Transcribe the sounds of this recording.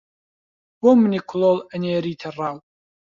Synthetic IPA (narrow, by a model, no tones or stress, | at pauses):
b̥omɨnikʰʷʊloːlˠəneːɾiːt̪ʰɐrˤːaːw